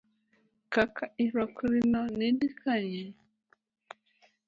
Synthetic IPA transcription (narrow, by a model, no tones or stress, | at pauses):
kakʰaʔiɾɔkɾinɔnedikʰaɲɛ